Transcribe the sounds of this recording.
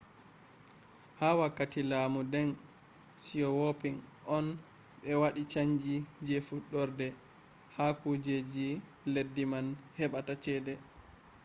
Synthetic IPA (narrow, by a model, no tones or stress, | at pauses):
hawakːatilaːmudɛn | sijɔwopiŋʔɔn | ɓɛwaɗit͡ʃaɲd͡ʒid͡ʒefuɗːɔɾdɛ | hakud͡ʒed͡ʒi | ledːimanhɛɓatat͡ʃɛːdɛ